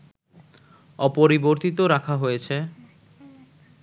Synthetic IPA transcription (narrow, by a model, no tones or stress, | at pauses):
ɔpoɾiboɾt̪it̪̬oɾakʰaɦojet͡ɕʰe